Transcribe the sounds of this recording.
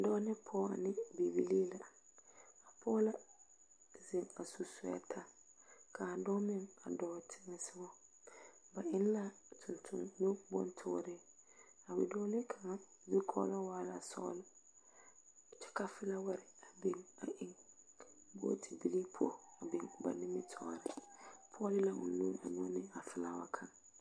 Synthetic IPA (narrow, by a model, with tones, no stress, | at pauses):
dɔː˦nɪ˦pʰɔː˦a̰˨nɪ˦bi˨bi˦li˦la˨ | a˨pʰɔː˦la˦ | ze˨ŋa˨su˨sʊ˦ɛ̰˦tʰa˦ | kʰa˨a˨dɔ˦mɪ˦ŋa̰˨dɔː˦˨tʰɪ˦ŋɛ˨sɪ˦bɔ˦ | ba˨ɪ˦n˦la˦tʰʊ˨ntʰʊ̰˦ŋno˦bɔ̰˦ntʰʊ̰˦ɾɪ˦ | a˨wɪ˨dɔ˦lɪ˦kʰa˨ŋa˦˨di˦kʰɔ̰˦la˦waː˦la˨sɔ̰ː˦lɪ˦˨ | t͡ʃʰɛ̥˦ka˦fɪ˦la˦wɛ˨ɾɪ˨a˨be˦ŋa˨ʔɪ̃˦ŋ | bʊ̰˦tʰi˨bi˦ɾi˦pʰo̰˨a˨bɪ˨ŋ˨ba̰˨nɪ̃˦mɪ̃˦tʰɔ̰ː˦˨ɾɪ˦pʰɔ˦lɪ˦la˨mṵ̃˨nːũ˦a̰˨ɲɔ̃˦nɪ̃˦a˨fɪ˦la̰˨wa̰˨kʰã˨ŋ